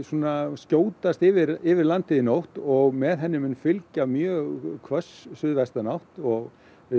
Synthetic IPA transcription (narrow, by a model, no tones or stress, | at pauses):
sunascoːwt̪ast̪ɪvɪɾɪvɪɾlant̪ʰɪðɪnowht̪ɔɣmɛðɦɛnːɪmʏnfɪlcamjœːɣkʰvœsːʏðvɛst̪anawht̪ɔɣ